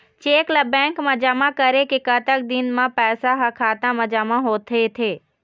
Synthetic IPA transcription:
t͡ʃeːkləbɛ̃ŋkməd͡ʒamãkəɾekekət̪ək̚d̪ɪnmãpɛːsaɦãkʰaːt̪ãməd͡ʒamãɦoːt̪ʰet̪ʰeː

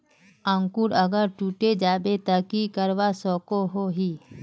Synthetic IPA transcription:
ãːŋkuːɾɐɡəɾʈuːʈed͡ʒaːbet̪əkikəɾwasɔːkoɦoɦiː

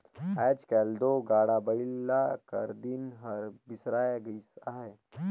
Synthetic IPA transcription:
ɛːd͡ʒkɛːld̪oːɡaːɽabəilːakə̰ɾd̪inɦɐɾbɪsɾaːjɡisaːɦe

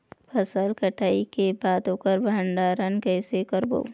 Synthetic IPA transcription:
pʰəsəlkəʈʰaːikebaːt̪oːkəɾbʱəɳɖaːɾənkɛːsekəɾbo̰ː

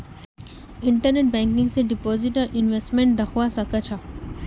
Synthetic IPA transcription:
ɪ̃ɳʈəɾneʈ̚bɛ̃ŋkɪ̃ŋɡseɖipoːziʈaʔinʋesʈmẽɳʈ̚d̪ɐxwaːsɐkɐt͡ɕʰa

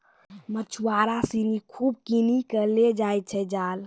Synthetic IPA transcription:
mət͡ʃʰuwaɾasinikʰuːb̚kinikəled͡ʒaj̚t͡ʃʰɛd͡ʒaːl

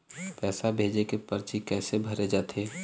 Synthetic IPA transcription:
pɛːsabʱeːd͡ʒekepəɾt͡ʃikɛːsebʱɐɾed͡ʒaːt̪ʰeː

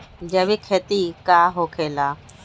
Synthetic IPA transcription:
d͡ʒəʋikʰeːt̪iːkaːɦoːkʰeːlaː

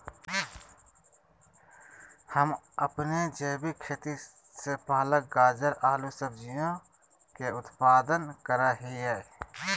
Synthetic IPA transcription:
həməpned͡ʒeːbikʰeːt̪i | sepaːlək̚ɡaːd͡ʒəɾaːlusəbd͡ʒɪjõ | keʊt̪paːd̪ənkəɾaɦiɦɛː

